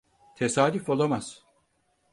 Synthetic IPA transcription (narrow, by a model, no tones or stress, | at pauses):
t̪ʰesaːd̪yfo̞lˠamaz̥